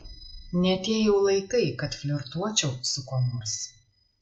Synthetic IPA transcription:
nʲɛɐt̪ʲeːjɛʊlˠɐɪkɐɪkɐt̪fʲlʲɔɾt̪uɔt͡ʃʲɛʊsʊkoːmʊs

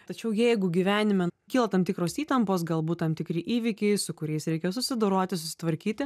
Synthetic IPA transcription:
t̪ɐt͡ʃʲɛʊjɛɪɡʊɡʲiʋʲæːnʲɪmʲɛkʲiːlˠɐt̪ɐmt̪ʲɪkɾoːsiːt̪ɐmpoːsɡɐlˠbuːt̪t̪ɐmt̪ʲɪkɾʲɪʔiːʋʲɪkʲɛɪsʊkʊɾʲɛɪsɾʲɛɪkʲɛsʊsʲɪd̪oːɾoːt̪ʲɪsʊsʲɪ̥t̪ʋɐɾʲkʲiːt̪ʲɪ

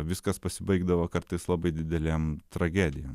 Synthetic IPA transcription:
ʋʲɪskɐspɐsʲɪbɐɪɡd̪ɐʋokɐɾt̪ɐɪslˠɑbɐɪd̪ʲɪd̪ʲɛlʲɛːmt̪ɾɐɡʲæːd̪ʲɪjo

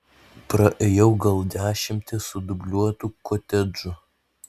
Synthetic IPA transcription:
pɾɐʔeːjɛʊɡɐlˠd̪ʲæːʃʲɪmʲt̪ʲɪsʊd̪ʊbʲlʲuɔt̪ukɔt̪ʲɛd͡ʒʊ

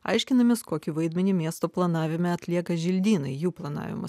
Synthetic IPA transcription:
ɐ̰ɪʃʲkʲɪnɐmʲɪskoːkʲɪʋɐɪd̪ʲmʲɛnʲimʲiɛst̪oːplˠɐnɑːʋʲɪmʲɛɐt̪ʲlʲiɛkɐʒʲɪlʲd̪ʲiːnɐɪjuːplˠɐnɑ̰ːʋʲɪ̰mʊ̰s

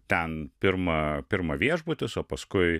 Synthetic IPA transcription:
t̪ʲɛnpʲɪɾmɐpʲɪɾmɐʋʲiɛʒbʊt̪ʲɪsoːpɐskʊɪ

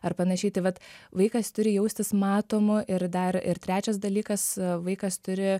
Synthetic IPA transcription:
ɐrpɐnɐʃʲɛɪt̪ɐɪʋɐt̪ʋɐɪkɐst̪ʊɾʲɪjɛʊsʲt̪ʲɪsmɑːt̪oːmʊʔɪɾd̪ɐɪɾɪɾt̪ʲɾʲæːt͡ʃʲɛs̬d̪ɐlʲiːkɐsʋɐɪkɐst̪ʊɾʲɪ

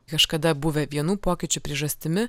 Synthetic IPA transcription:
kɐʃkɐd̪ɑbuʋʲɘvʲiɛnupokʲɪt͡ɕʊpɾʲiɛʒɐst̪ɪ̆mɘ

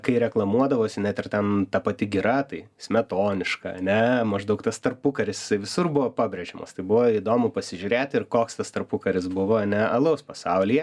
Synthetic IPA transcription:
kɐɪɾʲɛklˠɐmuɔd̪ɐʋoːsʲɪnʲɛt̪ʲɪrt̪ʲɛnt̪ɐpɐt̪ʲɪɡʲɪɾɐt̪ɐɪ | sʲmʲɛt̪oːnʲɪʃkɐɐ̰nʲɛmɐʒd̪ɐʊkt̪ɐst̪ɐrpʊkɐɾʲɪsjɪsɐɪʋʲɪsʊrbʊʋoːpɑːbʲɾʲɛʒʲɛmɐst̪ɐɪbʊʋoid̪oːmʊpɐsʲɪʒʲʊɾʲeːt̪ʲɪrkoːkst̪ɐst̪ɐrpʊkɐɾʲɪsbʊʋoɐnʲɛɐlˠɐʊspɐsɑʊlʲijɛ

